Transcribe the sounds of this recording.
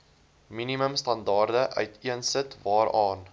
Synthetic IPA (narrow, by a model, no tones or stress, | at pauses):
miniməmstɐndɑːrdəʔœ̰ɥtʰiənsətvɑːɾɑːn